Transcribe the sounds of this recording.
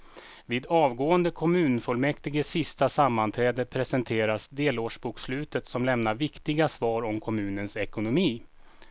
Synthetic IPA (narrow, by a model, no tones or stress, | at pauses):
viːd̪ɑːvɡoːənd̪əkʰɔmʉ̟ːnfɔlmɛkt̪ɪɡəsɪst̪asamːant̪ʰɾɛːd̪əpʰɾɛsɛnt̪ʰeːɾasd̪eːloːʂbuːkslʉ̟ːt̪ət̪sɔmlɛmnaɾvɪkt̪ɪɡasvɑːɾɔmkʰɔmʉ̟ːnənsɛkʊnʊmiː